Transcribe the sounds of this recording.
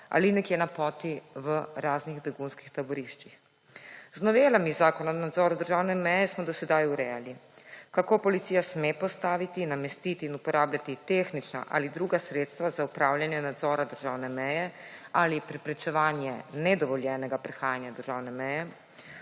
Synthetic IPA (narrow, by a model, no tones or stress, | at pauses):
a̰linɛkjɛnapɔːt̪iʋəɾaːzniɣbɛɡunski̥xt̪abɔɾiʃt͡ʃix | znɔʋelamizaːkɔnanad̪zɔːɾad̪əɾʒaːwnɛmɛjɛsmɔd̪ɔsɛd̪ajuɾɛjalikakopɔlit̪sijasmepɔst̪aːʋit̪inamɛst̪it̪iːnupɔɾʔaːblʲjat̪it̪exnit͡ʃna̰ʔa̰lid̪ɾuːɡasɾet̪st̪ʋazaupɾaːwljanjɛnad̪zɔːɾad̪əɾʒaːwnɛmɛjɛalipɾɛpɾɛt͡ʃɛʋaːnjɛnɛd̪ɔʋɔljɛnɛɡapɾɛxaːjanjad̪əɾʒaːwnɛmɛjɛ